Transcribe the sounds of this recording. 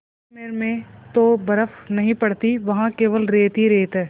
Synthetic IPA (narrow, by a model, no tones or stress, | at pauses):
meːɾmẽt̪obɐɾəfnɐɦĩpɐɽt̪iʋɐɦãkeːʋəlɾeːt̪iɾeːt̪ɛː